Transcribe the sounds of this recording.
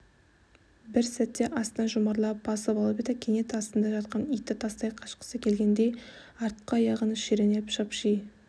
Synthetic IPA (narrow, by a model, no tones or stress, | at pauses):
bɪɾsæt̪ːe̞ʔɑst̪ənɑʒʊmɑɾlˠɑp̚bɑsəbɑlˠəpet̪ɪkʲʰeŋe̞t̪ɑst̪ənd̪ɑʒɑt̪qɑnijt̪ːɪt̪ʰɑst̪ɑjqʰɑʃqə̥səkʲʰe̞lɡʲe̞nd̪e̞j | ɑɾt̪qːɑjɑʁənəʃeɾenepʃɑpʃij